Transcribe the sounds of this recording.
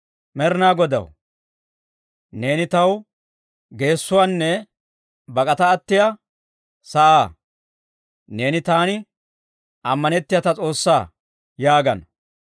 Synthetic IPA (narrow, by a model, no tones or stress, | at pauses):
mɛɾnaːɡɔd̪ɐ̰w | ne̞ːnɪt̪ɐw | ɡe̞ːsːʊwaːnːɛ | bɐkʼɐt̪ɐːt̪ːɪjɐ | sɐʔaː | ne̞ːnɪt̪aːnɪ | ʔɐmːɐnɛt̪ːɪjɐt̪ɐt͡sʼo̞ːsːaː | jaːɡɐn